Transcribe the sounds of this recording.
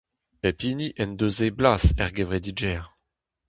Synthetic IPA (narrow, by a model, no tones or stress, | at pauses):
pɛpiːniʔɛnd̪øzeblaːsɛʁɡevʁed̪id͡ʒɛːʁ